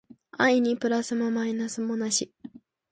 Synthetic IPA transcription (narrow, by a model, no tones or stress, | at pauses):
aiɲ̟ipɯ̟ɾasɨmomainasɨmo̞naɕi